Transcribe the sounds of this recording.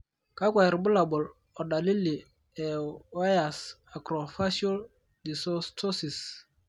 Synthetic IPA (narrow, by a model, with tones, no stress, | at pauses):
ka˦kʷa˨ɾbu˦la˨bɔ˨l | ɔ˨da˨li˦li˨ | ɛ˨wa˦ja˨s | a˨kɾɔ˨fa˦si˦o˦l | di˨sɔ˦stʰɔ˦si˨s